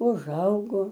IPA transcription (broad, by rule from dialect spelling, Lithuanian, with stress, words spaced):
ʊˈʒɐʊɡoː